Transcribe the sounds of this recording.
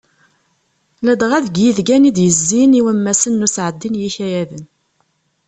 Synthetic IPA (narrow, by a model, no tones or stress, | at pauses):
læd̪ʁæðɡjiðɡænid̪jəzːiniwæmːæsənːusʕəd̪ːinjiçæjæðən